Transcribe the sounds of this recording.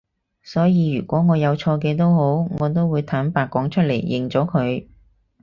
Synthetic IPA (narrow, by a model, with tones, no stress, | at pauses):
sɔː˨˥jiː˨˧jyː˨˩kʷɔː˨˥ŋɔː˨˧jɐ˨˧wt͡ʃʰɔː˧k̬ɛː˧t̪̬o˥who˨˥wŋɔː˨˧t̪o˥wːuː˨˧jt̪ʰaː˨˥npaː˨˧kːɔː˨˥ŋt͡ʃʰɵ˥t̚lḛ˨˩jːɪ˨˩ŋt͡sɔː˨˥kʰɵ˨˧ɥ